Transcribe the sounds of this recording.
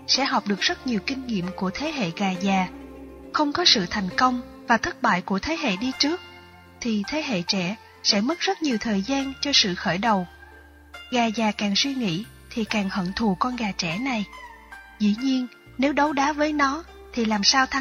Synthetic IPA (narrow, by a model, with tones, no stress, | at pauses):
sɛ̰˧˥ɦɔ˨˩wk͡p̚ɗɨ˨˩ək̚zə˦˥t̚ɲi˨˩wkï˧ŋ̟ŋḭ˧˨əmku˧˩ət̪ʰe˨˦ɦḛ˧˨ɣaː˨˩zaː˨˩xə˧wŋ͡mkɔ˨˦sɨ̰˧˨t̪ʰa˨˩jŋ̟kə˧wŋ͡mvaː˨˩t̪ʰə˦˥t̚ɓa̰ː˧˨jku˧˩ət̪ʰe˨˦ɦḛ˧˨ɗi˧t͡ɕɨ˦˥ək̚ | t̪ʰi˨˩t̪ʰe˨˦ɦḛ˧˨t͡ɕɛ̰˧˩ | sɛ̰˧˥mə˦˥t̚zə˦˥t̚ɲi˨˩əwt̪ʰəː˨˩jzaː˧nt͡ɕɔ˧sɨ̰˧˨xəː˧˩jɗə˨˩w | ɣaː˨˩zaː˨˩kaː˨˩ŋswi˧ŋḭ˧˥ | t̪ʰi˨˩kaː˨˩ŋhə̰˧˨nt̪ʰu˨˩kɔ˧nɣaː˨˩t͡ɕɛ̰˧˩na˨˩j | zḭ˧˥˨ɲi˧ən | ne˨˦wɗə˨˦wɗaː˨˦vəː˨˦jnɔ˨˦ | t̪ʰi˨˩laː˨˩msaː˧wt̪ʰa˧